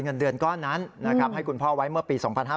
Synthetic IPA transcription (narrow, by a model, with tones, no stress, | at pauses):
ŋɤ˧ndɯ˧ənkɔː˥˩na˦˥nːa˦˥kʰa˦˥p̚ha˥˩jkʰu˧npʰɔː˥˩wa˦˥jmɯ˥˩ɐpiː˧sɔː˩˦ŋpʰa˧nɦaː˥˧